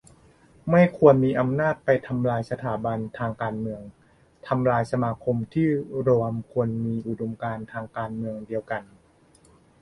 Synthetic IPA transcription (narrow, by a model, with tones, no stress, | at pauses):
ma˥˩jkʰu˧ənmiː˧ʔa˧mnaː˥˩t̪̚pa˧jt̪ʰa˧mlaː˧jsa˧t̪ʰaː˩˦ba˧nt̪ʰaː˧ŋkaː˧nmɯ˧əŋ | t̪ʰa˧mlaː˧jsa˧maː˧kʰo˧mt̪ʰiː˥˩ɾoː˧əmkʰu˧ənmiː˧ʔu˨˩do˧mkaː˧nt̪ʰaː˧ŋkaː˧nmɯ˧əŋdi˧əwka˧n